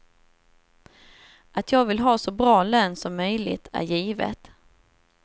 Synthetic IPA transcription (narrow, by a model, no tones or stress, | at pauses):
ʔat̪ʰjɑːɡvɪlɦɑːsɔbɾɑːløːnsɔmːœjlɪ̰t̪ʰæ̰ɾjiːvə̰t̪